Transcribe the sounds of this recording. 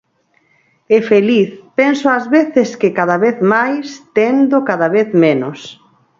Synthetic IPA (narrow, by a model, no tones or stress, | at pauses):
ɛfeliθpensoazβeθɪskɪkaðaβeθmajst̪end̪okaðaβeθmenos